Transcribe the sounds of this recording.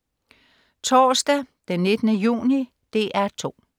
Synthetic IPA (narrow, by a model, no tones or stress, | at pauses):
t͡sʰɒːsd̥æd̥enːe̝d̥ənəjṵːni | d̥e̝̰ːʔæɐt͡sʰo̝̰ː